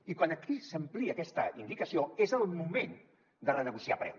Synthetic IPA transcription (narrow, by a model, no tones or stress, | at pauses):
ikwanəkisəmpliəkɛst̪əind̪ikəsioezəlˠmumen | d̪ərənəɣusiapɾɛ̰w